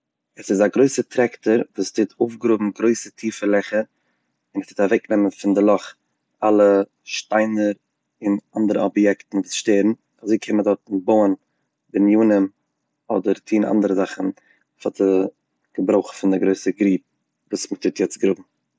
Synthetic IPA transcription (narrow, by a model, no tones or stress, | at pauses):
ɛsɪzaɡɾoɪsətʰɾɛktəɾvuːstʰɪtʰoʊfɡəɾʊbm̩ɡɾoɪsətʰiːfəlˠɛχə | ɪnəstɪtavɛknɛmənfɪndɪlˠɔχ | alˠə | ʃtaɪnəɾ | ɪnandəɾəɔbjɛktn̩vuːsʃteːɾn̩ | azoɪkʰɪmədɔtn̩boʊən | bɪnjuːnəm | ɔdəɾtʰiːnʔa̰ndəɾəzaχn̩ | fatə | ɡ̥əbɾoʊχfɪndɪɡɾoɪsəɡɾiːp̚ | vuːsmətʰɪtjɛt͡sɡɾʊbm̩